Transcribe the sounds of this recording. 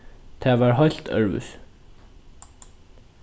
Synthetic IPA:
t̪ʰæːʋaːɹɦɔjl̥t̪œ̰ɹvʏ̰s

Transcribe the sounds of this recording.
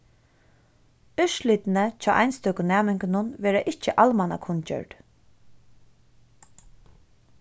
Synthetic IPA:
ʏʃlɪt̪nət͡ʃʰa̰ːʔajnst̪œkʊnæːmɪŋknʊnʋɛːɾaʔɪt͡ʃːəʔalmana̰kʰʊnt͡ʃœ̰ɾ

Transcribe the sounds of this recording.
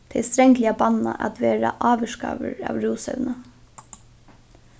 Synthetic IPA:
t̪ʰɪlst̪ɾɛŋklɪabannaʔat̪ʋeːɾaʔɑːʋəʂka̰ːʋəɾaːʋɾuːsœʋnə

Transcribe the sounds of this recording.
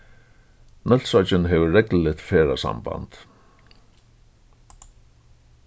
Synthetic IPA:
nɛl̥sɔt͡ʃɪnɦɛvʏrɛkllɪt̪fɛːɾasa̰mba̰nt̪

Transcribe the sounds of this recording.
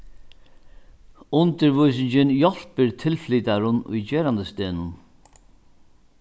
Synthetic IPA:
ʊnt̪əɾvujsɪɲt͡ʃɪnjɔl̥pɪɾt̪ʰɪlfliːt̪aɾʊnʊ̰jt͡ɕɛːɾand̪əst̪eːnʊn

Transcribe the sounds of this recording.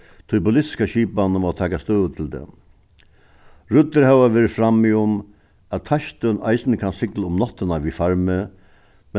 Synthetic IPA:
t̪ʰʊjpʊlɪt̪ɪ̥skaɕiːpanəmɔt̪ʰɛːkast̪œːðət̪ʰɪld̪ɛ̰ | ɾʊt̪ːɪɾɦɛʋaʋeːɾɪfɾamiʊm | ætt̪ʰaʃt̪œnʔa̰jsɪnəkʰansɪklaʊmnɔt̪ːənaʋifaɾmɪ | mɛ

